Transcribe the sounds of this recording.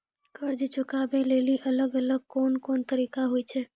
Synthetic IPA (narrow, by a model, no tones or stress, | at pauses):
kəɾd͡ʒt͡ʃʊkaːbeleːliʔələɡələɡ̚koːnkoːnt̪əɾiːkaɦoit͡ʃʰɛː